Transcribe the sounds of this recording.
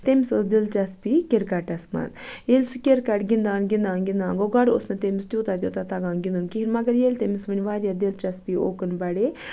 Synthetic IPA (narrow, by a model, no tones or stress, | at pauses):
t̪emisɐsd̪ilt͡ʃɐspikʲeɾkaʈɐsmɐ̰zjelʲsukʲeɾkaʈɡind̪aːnɡʲind̪aːnɡʲind̪aːnɡoɡaɽo̰snɐt̪emist̪iut̪aːd̪ʲjoːt̪at̪aɡãːnɡind̪unkiɦinmɐɡɐɾjelʲt̪emisʋɐnʲiʋaːɾʲjad̪ilt͡ʃɐspio̰ːkənbɐɽe